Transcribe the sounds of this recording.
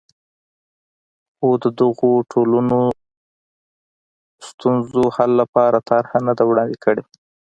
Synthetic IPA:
od̪əd̪əɣoʈʰoləno | st̪unzohalːapɑɾat̪ʰaɾhanad̪awɽɑnd̪ekʰəɽe

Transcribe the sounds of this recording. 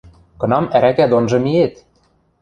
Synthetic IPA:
kɤ̆nɑmæɾækæd̪onʒɤ̆miet̪

